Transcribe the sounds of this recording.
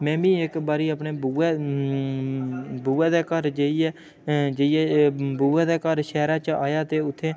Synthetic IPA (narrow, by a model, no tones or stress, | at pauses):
mɛ̃ːbĩːɪkbaːɾiːəpneːbuːeː | buːɛːd̪eːkəɾd͡ʒeiɛː | d͡ʒeiɛːbuːɛːd̪eːkəɾʃɛːɾãːt͡ʃaːjaːt̪eːʊt̪ʰːeː